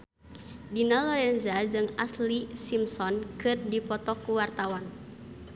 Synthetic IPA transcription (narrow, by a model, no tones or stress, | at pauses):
dinalɔɾɛnzad͡ʒɨŋaslisimsɔnkɨrdipɔt̪ɔkuwart̪awan